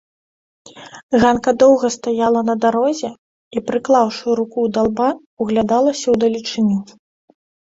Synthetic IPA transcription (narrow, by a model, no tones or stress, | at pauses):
ɣankɐd̪ɔwɣɐst̪ajalˠɐnɐd̪aɾɔzʲɛ | ipɾɨklˠawʂɨjuɾukuwd̪alˠba | uɣlʲad̪alˠɐsʲɐwd̪ɐlʲit͡ʂɨnʲu